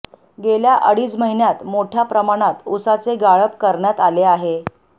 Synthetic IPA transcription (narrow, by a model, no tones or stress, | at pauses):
ɡeljaʔəɽiːt͡sməɦinjat̪moʈʰjapɾəmaɽ̃at̪usat͡seɡaɭəpkəɾɳjat̪aleaɦe